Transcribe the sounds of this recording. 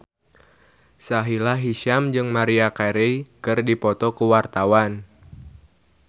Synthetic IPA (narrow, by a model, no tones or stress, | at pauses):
saɦilaɦiʃamd͡ʒɨŋmaɾiakaɾijkɨrdipɔt̪ɔkuwart̪awan